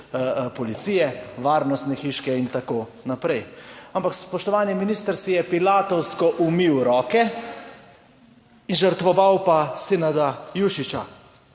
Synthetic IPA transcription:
pɔlit̪sijɛʋaːɾnɔst̪nɛxiːʃkɛint̪akoː | napɾɛjampakspɔʃt̪ɔʋaːniminiːst̪əɾsijɛpilaːt̪ɔwskɔʔumiwɾɔːkɛ | inʒəɾt̪ʋɔʋawpasenad̪ajuʃit͡ʃa

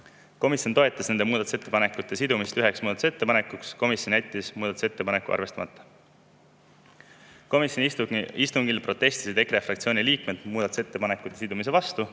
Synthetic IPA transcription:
ko̞misjont̪o̞e̞t̪ːˑɑsne̞nd̪emuːd̪ɑt̪u̥se̞t̪ːe̞pɑne̞kːˑut̪ːˑe̞sid̪umist̪yɦe̞ksmuːd̪ɑt̪u̥se̞t̪ːe̞pɑne̞kːuksko̞misjonæt̪ʲːˑismuːd̪ɑt̪u̥se̞t̪ːe̞pɑne̞kːˑuɑ̰rve̞st̪ɑ̰mɑt̪ˑːɑ̥ | komisjonist̪uŋɡ̥ilpro̞t̪ːˑe̞st̪i̥sid̪ekefrɑkt̪sio̞ːnʲiliːkmed̪̥muːd̪ɑt̪u̥set̪ːepɑne̞kːˑut̪ːˑe̞sid̪umis̬e̞vɑst̪u

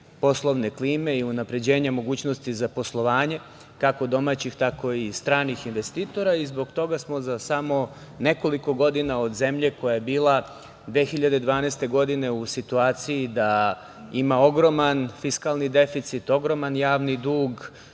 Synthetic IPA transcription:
po̞slˠo̞ʋne̞kliːme̞iunapɾe̞d͡ʑe̞ːɲamo̞ɡuːt͡ɕnost̪izapo̞slˠo̞ʋaːɲe̞ | kako̞d̪o̞maːt͡ɕixt̪ako̞ist̪ɾaːnixinʋe̞st̪iːt̪o̞ɾaizbo̞ɡt̪o̞ɡasmo̞zasamo̞ | ne̞ko̞liko̞ɡo̞d̪inao̞d̪ze̞mʎe̞ko̞jaje̞biːlˠa | d̪ʋexiʎad̪ed̪ʋaːneːst̪e̞ɡo̞d̪ine̞usit̪uaːt̪sijid̪a | imao̞ɡɾo̞manfiskalnid̪e̞fit̪sit̪o̞ɡɾo̞manjaːʋnid̪uːɡ

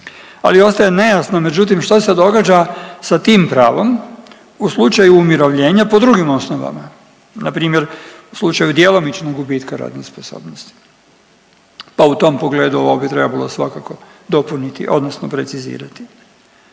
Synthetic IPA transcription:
a̰lio̞st̪ajene̞jasnome̞d͡ʑut̪̬imʃt̪osed̪o̞ɡad͡ʑasat̪iːmpɾaːʋo̞m | uslˠut͡ʃajuːmjiɾoʋʎe̞ːɲapo̞d̪ɾuɡimo̞snoʋa̰ma | napɾiːmjeɾuslˠut͡ʃajud̪jelo̞mit͡ʃnoɡɡubiːt̪kaɾa̰ːd̪nesposo̰ːbnost̪i̥ | paut̪o̞mpo̞ɡle̞ːd̪uoʋobit̪ɾe̞babalˠosʋakako̞d̪o̞punit̪ḭʔo̞̰d̪nosnopɾe̞t̪sizḭːɾat̪i̥

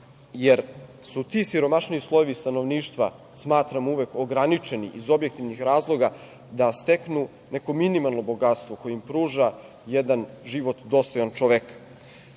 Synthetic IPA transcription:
jeɾsut̪isiɾo̞maʃniuslˠojeʋist̪ano̞ʋniːʃt̪ʋa | smaːt̪ɾamuʋekoɡɾanit͡ʃe̞nḭʔizo̞bje̞k̚t̪iʋnixɾaːzlˠo̞ɡa | d̪ast̪e̞knu | ne̞ko̞minimalˠno̞bo̞ɡat̪st̪ʋo̞kojeimpɾuːʒa | jed̪anʒiʋo̞t̪d̪o̞st̪o̞jant͡ʃoʋekḁ

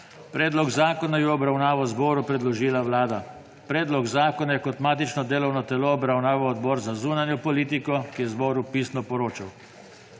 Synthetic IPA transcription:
pɾɛːd̪lɔɡzaːkɔnajɛɔbɾawnaːʋɔzbɔːɾupɾɛd̪lɔʒiːlawlaːd̪a | pɾɛːd̪lɔɡzaːkɔnjɛkɔt̪maːt̪it͡ʃnɔd̪eːlɔwnɔt̪ɛlɔːbɾawnaːʋawɔd̪bɔːɾzazuːnanjɔpɔliːt̪̬ikɔkijɛzbɔːɾupiːsnɔpɔɾoːt͡ʃaw

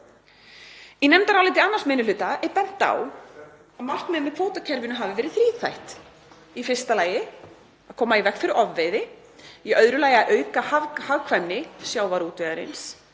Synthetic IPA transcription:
inɛmt̪aɾawlɪjt̪̬ɪanːaɾ̥smɪnʏlʏːt̪aɛðpɛn̥t̪a̰w | amal̥t̪mɛːmɛðkʰfoːwt̪acʰɛɾvɪnʏɦavɪvɛːɾɪðθɾiːθajht̪ | ifɪr̥st̪alaːjɪ | aðkʰɔːmaivɛkfɪɾɪɾɔvːɪðɪ | jɛœðɾʏlaːjaʔœːɥkahavhavkʰvanːɪsjaːwvaɾuːt̪œaɾɪ̰ns

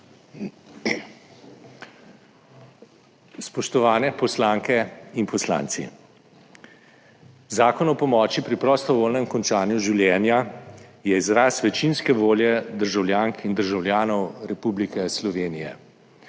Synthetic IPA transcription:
spɔʃt̪ɔʋaːnɛpɔslaːŋkɛinpɔsla̰ːnt̪sḭ | zaːkɔnɔpɔmɔːt͡ʃipɾipɾɔst̪ɔʋoːlnɛmkɔnt͡ʃaːnjuʒiwljɛːnjajɛizɾasʋɛt͡ʃinskɛʋoːljɛd̪əɾʒawljaːŋkʰind̪əɾʒawljaːnɔwɾɛpublikɛslɔʋeːnijɛ̰

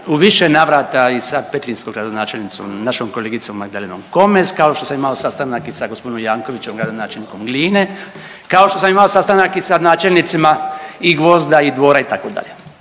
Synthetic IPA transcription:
uʋiʃenaʋɾaːt̪aisapet̪linskoɡɾad̪o̞naːt͡ʃelʲnit̪so̰mnaʃomkoleːɡit̪so̞mːaɡ̚d̪alenomko̞meskaoʃt̪o̞samimaosast̪anakisaɡospod̪inomjaːŋko̞ʋit͡ɕemɡɾad̪onaːt͡ʃelʲniko̞mɡliːne̞ | kaoʃt̪o̞samimaosast̪anakisanaːt͡ʃelnit̪simaiɡʋo̞zd̪aid̪ʋo̞ːɾait̪akod̪a̰ʎe

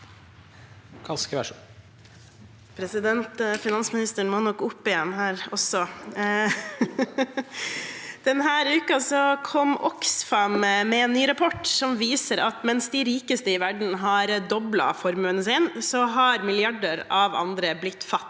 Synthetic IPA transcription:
kʰɑskəʋæʂu | pʰɾɛsɪd̪ɛnt̪fɪnɑnsmɪnɪst̪əɳmoːnɔkːʊpːɪjɛnːɦæːɾɔsːɔ | d̪̥ɛnɦæːɾʉːkɑsɔkʰɔmːɔksfɑmmɛɛːnːyːɾɑpʰɔʈːsɔmʋiːsəɾɑt̪mɛnsd̪ɪɾiːkəst̪əɪʋæɖɳ̩ɦɑɾd̪ɔblɑ̰fɔɾmʉənəsɪnsɔɦɑɾmɪlɪɑɖəɾɑʋɑ̰nd̪ɾəblɪt̪ːfɑt̪ː

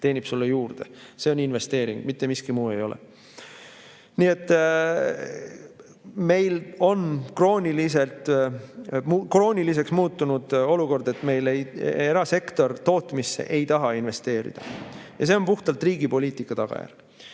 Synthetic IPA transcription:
t̪e̞ːnʲib̥sulːejuːrd̪̥ese̞oninve̞st̪e̞ːɾiŋɡ̥mit̪ːemiskimuːe̞̰jo̞lḛ | nie̞t̪ˑː | me̞jlo̞nkro̞ːnʲilis̬e̞lt̪ˑ | mukro̞ːnʲilis̬e̞ksmuːt̪ːˑunud̪̥o̞luko̞rd̪e̞t̪me̞jleje̞ɾɑse̞kt̪o̞rt̪o̞ːt̪ˑmisːe̞̰ʔe̞jt̪ɑɦɑinve̞st̪e̞ːɾḭd̪̥ɑjɑse̞o̞npuht̪ɑlt̪riːɡ̥ipo̞liːt̪ˑikːˑɑt̪ɑɡ̥ɑ̰jæ̰rɡ̥

